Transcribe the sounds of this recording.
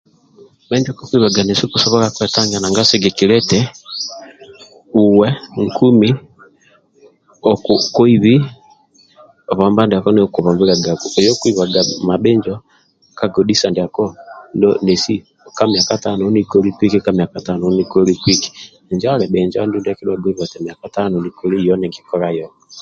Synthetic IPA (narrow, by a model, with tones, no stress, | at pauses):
ɓɛ˦ɲd͡ʒɔ˦kɔ˦kwi˨βa˨ɡa˨ne˨si˦kusɔ˦βɔ˦ɾakwɛ˨ta˦ŋɡa˨na˨ŋɡa˦se˦ɡɛ˨ki˨ɾɛ˦tɛ | uwɛ˦ŋku˦mi˦ | ɔkuko˦i˦βi˦ | ɔ˨βɔ˨mba˦nda˨kɔ˦ne˦ku˨βɔ˨mbi˦ɾa˨ɡa˨ku˨ɛ˨jɔ˦kwi˦βa˨ɡa˨ma˨ɓe˦ɲd͡ʒɔ˦ | ka˨ɡɔ˨di˦sa˨ndea˨kɔ˦ndɔne˨si˦ | ka˦mja˨kata˦nɔni˦ko˦ɾi˦kwi˦ki˦ka˦mja˨kata˦nɔ˨niko˦ɾi˦kwi˦ki̥˨ | ɲd͡ʒa˦ɾɛ˨ɓe˨ɲd͡ʒa˦ndu˦nda˨ki˦dwa˨ɡi˦βa˨tɛ˨mja˨ka˦tanɔ˨ni˨ko˨˦ɾi˦jɔ˦nɛ˨ŋɡikɔ˦ɾa˦jɔ